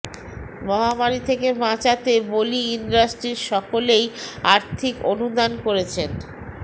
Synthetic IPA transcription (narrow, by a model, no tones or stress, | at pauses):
mɔɦamaɾit̪ʰekemãt͡ɕat̪eboliinɖasʈɾiɾʃɔkolejaɾt̪ʰikonud̪ankoɾet͡ɕʰen